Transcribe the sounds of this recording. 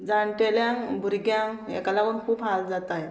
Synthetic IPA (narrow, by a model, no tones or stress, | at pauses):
d͡zaɳʈeljãŋbuɾɡjãŋḛkalapunkʰuːpɦald͡zat̪aj